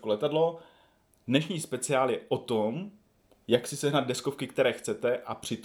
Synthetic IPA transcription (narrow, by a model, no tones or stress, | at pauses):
kolɛt̪adlo̞ | dnɛʃɲiːspɛt͡sɪaːljɛʔot̪om | jaksɪsɛɦnad̪̚dɛsko̞fkɪkt̪ɛɾɛːxt͡sɛt̪ɛʔapr̝̥ɪt̪